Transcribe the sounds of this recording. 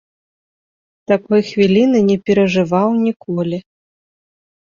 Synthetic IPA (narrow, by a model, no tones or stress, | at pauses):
t̪akɔjxvʲilʲinɨnʲɛpʲɛɾɐʐɨvawnʲikʰɔlʲi